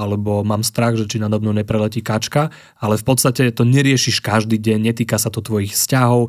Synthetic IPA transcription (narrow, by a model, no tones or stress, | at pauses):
alɛbɔmaːmst̪ɾaɣʒɛt͡ʃinad̪ɔbnɔʊɲɛpɾɛlɛciːkat͡ʃka | alɛfpɔt̪st̪acɛt̪ɔɲɛɾɪɛʃiʃkaʒd̪iːɟɛɲɲɛt̪iːkasat̪ɔt̪ʋɔjixfscaɦɔʊ